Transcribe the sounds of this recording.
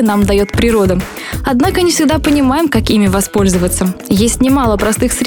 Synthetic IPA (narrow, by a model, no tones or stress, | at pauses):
ənamd̪ɐjo̞t̪pɾʲɪɾo̞d̪ə | ɐd̪nakənʲɪfsʲɪɡ̚d̪apənʲɪmajɪmkɐkimʲɪvɐspo̞lʲzəvət̪səjesʲtʲnʲɪmalˠəpɾɐst̪ɨxsɾʲ